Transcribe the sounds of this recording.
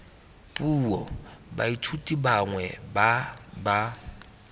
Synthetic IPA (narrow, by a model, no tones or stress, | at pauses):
pʼuːɔbaitʰutʼibaŋwɛbaba